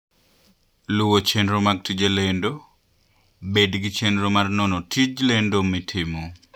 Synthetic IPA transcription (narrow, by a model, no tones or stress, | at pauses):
luwot͡ʃenɾomaɡ̚tid͡ʒelendo | bedɡit͡ʃenɾomarnɔnɔtʰid͡ʒlendomitʰɪmo